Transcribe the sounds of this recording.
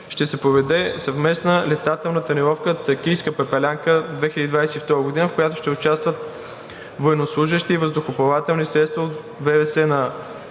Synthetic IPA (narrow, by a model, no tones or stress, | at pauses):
ʃt̪ɛsɛpɾovɛd̪ɛsɐvmɛsnəlɛt̪at̪ɛlˠnət̪ɐnɛɾɔfkət̪əkʲijskəpɛpɛlʲaŋkəd̪vɛxilʲəd̪id̪vajsɛift̪ɔɾəɡod̪inəfkojat̪ʊ̥ʃt̪ɛʊt͡ʃast̪vət̪̚ | vojɛnoslˠuʒəʃt̪iːvəzd̪ʊxopɐvat̪ɛlˠnisɾɛt̪st̪vɐot̪ | vɛvɛsɛnɐ